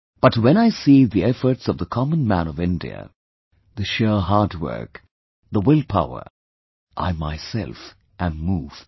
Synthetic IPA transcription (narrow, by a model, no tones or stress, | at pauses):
b̥ʌtwɛ̃ñaɪsiðiɛfə˞tsʌvðəkʰɑmə̃nmæ̃nʌvɪ̃ndḭə̰ | ðɨʃɛɹɦɑːdwɜ̰˞k | ðəwɪlˠpʰaʊə̰˞ | ʔa̰ɪmaɪsɛ̰lˠf | ʔæ̃nːuːv̥